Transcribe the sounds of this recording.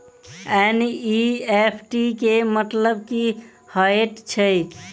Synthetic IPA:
ɛniepʰʈikemət̪ləbki | həeʈt͡ʃʰəj

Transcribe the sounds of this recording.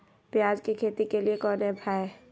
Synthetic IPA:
pjaːd͡ʒkikʰeːt̪ikeliekɔːnɦɛ̃bʰʱaːe

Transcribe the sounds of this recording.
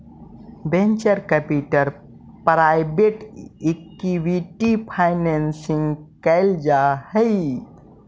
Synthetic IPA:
bẽnt͡ʃəɾkəpiʈəɾ | pɾajbeʈek̚ʈiʋiʈipʰaɪnensĩŋɡkəɪld͡ʒahəi

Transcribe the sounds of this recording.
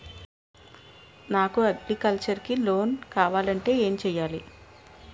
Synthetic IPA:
naːkuɐɡlikɐlt͡ʃɐɾkilo̞ːnkaːʋaːlɐɳʈe̞ːe̞ːmt͡ʃɛːjːaːli

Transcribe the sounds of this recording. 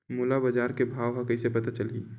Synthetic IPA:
mulabəd͡ʒaːɾkebʱaːʋɦakəisepɐt̪at͡ʃəli

